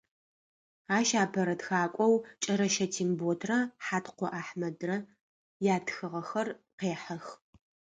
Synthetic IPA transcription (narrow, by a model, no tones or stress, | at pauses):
aːʃaːpʰɐɾɐtxaːkʷʼɔwt͡ʃʼɐɾɐʃɐtʰiːŋboːtʰrɐħaːtqʷɔʔaːħmɐdrɐ | jaːtʰxɨʁɐxɐrqeːħɐx